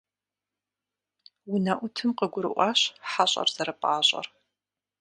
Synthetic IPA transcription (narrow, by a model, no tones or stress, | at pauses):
wʊnɐʔʷʊtʰɨmqəɡʷʊɾɨ̰ʔʷɑːɕħaɕʼɐ̰rz̥ɐɾɐpʼaːɕʼɐ̰r